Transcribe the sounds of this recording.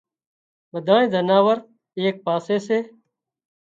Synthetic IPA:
ʋəd̪ʱãːẽːd̪ʱənaːʋəɾ | eːk̚paːseːseː

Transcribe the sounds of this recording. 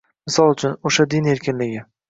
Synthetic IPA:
mɪsɒlˠʊt͡ʃʰʊnoʃad̪ɪne̞ɾkʲɪnlɪɡʲɪ

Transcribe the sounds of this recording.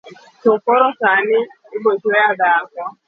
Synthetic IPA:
tokɔɾɔsanɪ | ɪbod͡ʒeadaakɔ

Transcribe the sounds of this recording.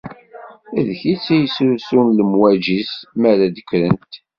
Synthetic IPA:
æðçit͡sːæjəsɾusunləmwæd͡ʒismæɾæd̪əkːɾənt̪

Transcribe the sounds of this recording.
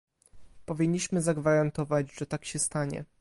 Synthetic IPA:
pɔvʲiɲːiɕmɘzaɡvaɾant̪ɔvad͡ʑʐɛt̪akɕɛst̪aɲɛ̰

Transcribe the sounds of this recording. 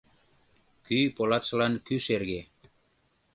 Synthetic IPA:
kypolɑt̪ʃlɑnkyʃerɣe

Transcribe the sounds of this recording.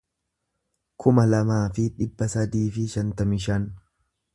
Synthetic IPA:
kʰʊmɐlɐmaːfɪᶑɪbːɐsɐd̪iːfɪʃɐnt̪ɐmɪʃɐn

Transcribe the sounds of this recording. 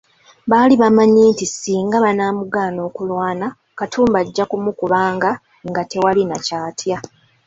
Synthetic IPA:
βaːliβamaɲiːntisiːŋɡaβanaːmuɡaːno̞ːkulwaːna | katʰuːmbaɟːakumukuβaːŋɡa | ŋɡate̞walinacaːtʰja

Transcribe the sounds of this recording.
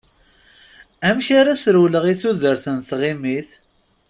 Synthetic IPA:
æmçaɾasɾuwləʁiθuðəɾθənθʁimiθ

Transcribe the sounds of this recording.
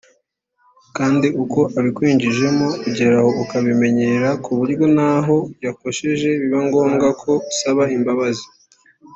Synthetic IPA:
kaːndiʔuko̞ʔaβikwiːɲd͡ʒiʒe̞mouɟe̞ɾaho̞ukaβime̞ɲe̞ɾakuβuɾɡo̞naɦo̞jako̞ʃe̞ʒe̞βiβaŋɡo̞ːmɡakʰo̞usaβaimbaβazi̥

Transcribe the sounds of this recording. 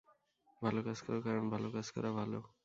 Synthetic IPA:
bʱalokaskəɾokaɾənbʱalokaskə̰ɾabʱalo̰

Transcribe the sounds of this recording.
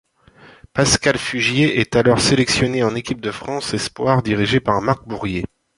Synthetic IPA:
paskalfyʒjeʔɛt̪alɔʁselɛksjɔneɑ̃nekʲip̚d̪əfχɑ̃sɛspwaʁd̪iʁiʒepaʁmaʁk̚buʁje

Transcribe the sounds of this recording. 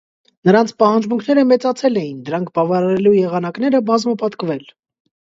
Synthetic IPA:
nəɾɑnt͡sʰpɑhɑnd͡ʒmuŋkʰnɛɾəmɛt͡sɑt͡sʰɛlɛjind̪əɾɑŋkʰbɑvɑɾɑɾɛlujɛʁɑnɑknɛɾəbɑzməpɑt̪kvɛl

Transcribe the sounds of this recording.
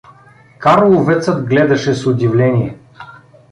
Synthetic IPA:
kaɾlˠʊvɛt̪səd̪ɡlɛd̪ɐʃɛsʊd̪ʲivlʲɛnʲiɛ

